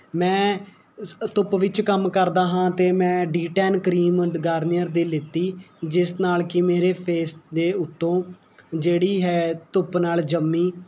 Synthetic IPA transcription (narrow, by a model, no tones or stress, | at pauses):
mɛ̃ː | t̪ʊpʋɪt͡ʃkəmkəɾd̪aːɦãːt̪eːmɛ̃ːɖiːʈɛːnkɾiːməɖɡaːɾnɪjəɾd̪eːlɪt̪ːiːd͡ʒɪsnaːlkɪmeːɾeːpʰeːsʈd̪eːʊt̪ːõː | d͡ʒeːɽiːɦɛːt̪ʊpnaːld͡ʒəmːiː